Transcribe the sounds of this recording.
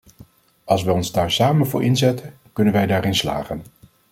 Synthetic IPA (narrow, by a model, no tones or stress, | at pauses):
ɑlˠs̬ʋɛɔnzdaːɹsaːmənvʊ̰ːɹʔɪnzɛtən | kɵnənʋɛjdaːɾɪnsla̰ːχən